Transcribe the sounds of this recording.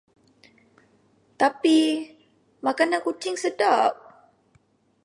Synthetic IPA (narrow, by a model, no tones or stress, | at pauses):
t̪api | makanankut͡ʃɪŋsədap̚